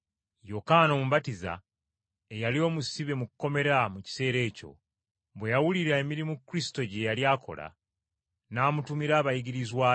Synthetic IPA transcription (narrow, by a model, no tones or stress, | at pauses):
jokano̞muβatiza̰ | ejalio̞ːmusiβe̞mukukːo̞me̞ɾamuci̥se̞ːɾe̞ːco̞̰ | βwe̞jawuliɾae̞miɾimukːuɾisi̥to̞ɟe̞jaljaːkʰo̞̰la̰ | naːmutumiɾaːβajiɡiɾizwaː